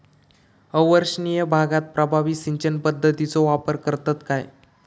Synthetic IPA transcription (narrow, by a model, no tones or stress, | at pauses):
əʋəɾɕnijəbʱaɡat̪̚pɾəbʱaʋisiɲt͡ɕənpəd̪ʱːət̪it͡soʋapəɾkəɾt̪at̪kaj